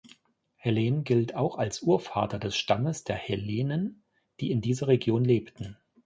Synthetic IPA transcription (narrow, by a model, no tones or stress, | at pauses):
heleːnɡɪltʰaʊxalsʔuːɐfa̰ːtɐdɛsʃtaməsd̥eːɐheleːnən | d̥iːɪndiːzɐʁeɡjoːnleːptn̩